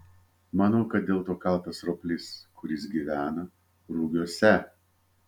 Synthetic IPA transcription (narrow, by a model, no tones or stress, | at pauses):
mɑnɐʊkɐt̪̚d̪ʲeːlˠt̪oːkɐlˠt̪ɐsɾoːpʲlʲɪskʰʊɾʲɪs̬ɡʲiːʋʲæːnɐ | ɾuɡʲoːsʲɛ